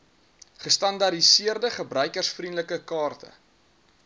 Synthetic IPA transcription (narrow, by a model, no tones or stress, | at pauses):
χəstɐndɐdisiərdəχəbrœɥkərsfrindələkəkɑːrtə̰